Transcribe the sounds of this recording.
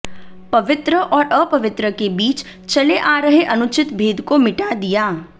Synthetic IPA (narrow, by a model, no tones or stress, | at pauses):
pɐʋɪt̪ɾəʔɔːɾʔəpɐʋɪt̪ɾəkebiːt͡ʃ | t͡ʃɐleʔaːɾəɦeʔɐnʊt͡ʃɪt̪bʱeːd̪komɪʈad̪ijaː